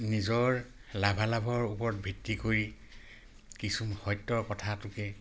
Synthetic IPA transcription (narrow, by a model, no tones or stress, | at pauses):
nizɔɹlabʱalabʱɔɹupɔɹɔt̚bʱitːikoɹi | kisumxɔjtːɔɹkɔtʰatʊkɛ